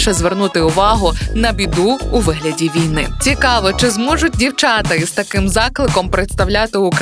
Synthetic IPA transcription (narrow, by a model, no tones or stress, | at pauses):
ʃɛzʋernut̪ɪʊʋɑɦʊnɐbʲid̪uːʋɪɦlʲɐdʲiʋʲijnɪ̰t͡sʲikɑʋɔt͡ʃɪzmɔʒʊt̚ʲdʲiwt͡ʃɑt̪ɪizt̪ɐkɪmzɑklˠɪkɔmpɾet̪st̪ɐwlʲat̪ɪʊk